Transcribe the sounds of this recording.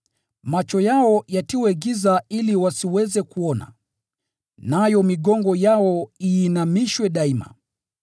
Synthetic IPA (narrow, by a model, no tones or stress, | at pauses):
mat͡ʃɔjaɔjatiwɛɡizailiwasiwɛzɛkuɔna̰ | najɔmiɠɔŋɡɔjaɔiːnamiʃwɛɗaima̰